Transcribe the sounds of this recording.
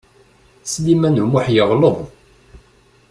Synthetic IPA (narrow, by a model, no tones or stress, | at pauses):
slimænumuħjəʁləðˤ